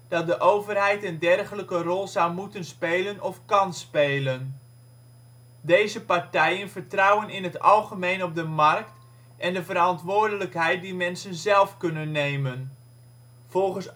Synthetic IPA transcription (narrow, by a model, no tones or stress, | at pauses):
d̥ɑt̚dəʔowvərɦɛjtəndɛrχələkərɔlˠzawmutənspeːlənʔɔfkɑnspeːlən | dejzəpaɹtɛjənvəɹtrɑwənɪnɦətɑ̰lˠχəmejnɔp̚dəmɑrkt | ʔɛndəvəɾɑntʋʊːɹdələkɦɛjt̚dimɛnsənzɛlˠfkɵnənːejmən | v̥ɔlˠχəns